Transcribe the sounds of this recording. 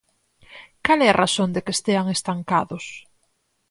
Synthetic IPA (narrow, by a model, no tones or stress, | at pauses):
kalɛarʔasond̪ekest̪eaŋest̪aŋkaðʊs